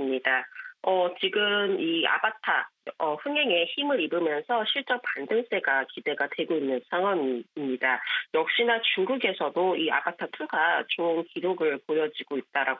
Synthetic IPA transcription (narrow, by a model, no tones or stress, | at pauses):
ɯmɲidaʌt͡ɕiɡɯmia̰patʰaʌɸɯŋeŋe̞çimɯɾibɯmjʌnsʰʌɕʰiɭt͡ɕ͈ʌpandɯŋs͈e̞ɡakide̞ɡadwe̞ɡoinːɯnsʰaŋɦwaŋimɲidajʌk̚ɕ͈inat͡ɕuŋɡuɡe̞sʰʌdoia̰pʰatʰatʰuɡat͡ɕonkidoɡɯɭpojʌd͡ʑiɡoit̚t͈aɾa